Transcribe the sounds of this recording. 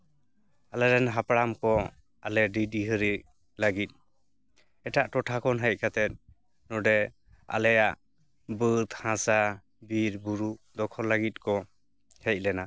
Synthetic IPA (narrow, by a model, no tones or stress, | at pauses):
alɛɾɛnɦapɽamkɔ | alɛɖidiɦəɾi | ləɡit̪̚ | ɛʈaʔʈɔʈʰakʰɔnɦɛj̚ˀkat̪ɛt̪̚ | nɔɖɛ | a̰lɛjaʔ | bət̪hãsa | biɾbuɾuʔd̪ɔkʰɔlaɡit̪̚kɔ | hɛc̚lɛna